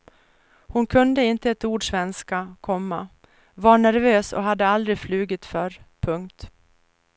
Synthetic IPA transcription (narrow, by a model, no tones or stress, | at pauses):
hʊnkʰɵnd̪əɪnt̪əɛt̪uːɖʂvɛnskakʰɔmːa | vɑɳæɾvøːsɔ̰ɦad̪ːəald̪ɾɪflʉ̟ːɡɪt̪fœɾpʰɵŋk̚t̪